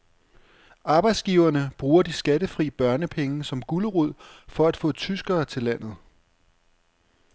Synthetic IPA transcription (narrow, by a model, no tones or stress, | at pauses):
ɑ̈ːb̥ɑ̈ɪd̥sɡ̥iʊɐnəb̥ʁuːɐd̥isɡ̥æd̥əfʁḭːb̥ɶɐnəpʰeŋəsɒ̽mɡ̥uləʁuð̞̰ˠfɒ̽æd̥fɔ̰̽ːt͡sʰysɡ̥ɐːt͡sʰe̝læn̰ð̩ˠ